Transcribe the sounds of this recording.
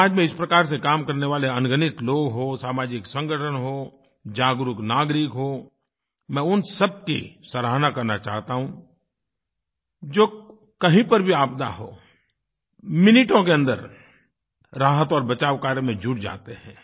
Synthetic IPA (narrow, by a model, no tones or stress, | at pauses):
aːd͡ʒmẽɪspɾɐkaːɾsekaːmkɐɾneʋaːleɐnɡənɪt̪loːɡɦosaːmaːd͡ʒɪksɐ̃ŋɡʱəʈʰənɦo | d͡ʒaːɡɾʊknaːɡɾɪkɦoː | mɛ̃ːʊnsəb̚kḭsəɾaːɦnakɐɾnat͡ʃa̰ːɦt̪aɦũ | d͡ʒoː | kɐɦĩpəɾbʱiaːp̚d̪a̰ɦoː | mɪnɪʈõk̬eɐ̃nd̪əɾ | ɾaːɦət̪ɔːɾbɐt͡ʃaːʋwkaːɾjəmẽd͡ʒʊɽd͡ʒa̰ːt̪eɦɛ̃ː